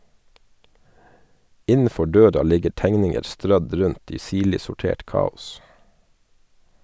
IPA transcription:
ˈɪnəˌfɔ ˈɖøːɾɑ ˈlɪɡəɾ ˈtæŋnɪŋəɾ ˈstɾœd ˈɾʉnt ˈiː ˈsiːɭɪ sʊˈʈeːʈ ˈkɑːʊs

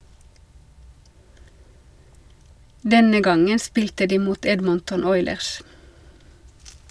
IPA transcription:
ˈdɛnə ˈɡɑŋən ˈspiːltə ˈdiː ˈmuːt ˈɛdməntʊn ˈɔʏləʁs

